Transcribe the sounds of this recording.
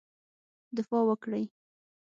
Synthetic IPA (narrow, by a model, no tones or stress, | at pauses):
d̪ɪfɑwəkɽəj